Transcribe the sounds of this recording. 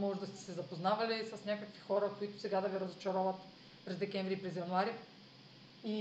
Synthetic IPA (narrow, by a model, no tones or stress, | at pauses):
mɔʒd̪ɐst̪ɛ̥sɛzɐpoznavɐlisɐsnʲakəkvi̥xɔɾəkoit̪ʊ̥sɛɡad̪ɐviɾɐzot͡ʃɐɾovət̪ | pɾɛzd̪ɛkʲɛɱvɾipɾɛzjɐnuaɾi | i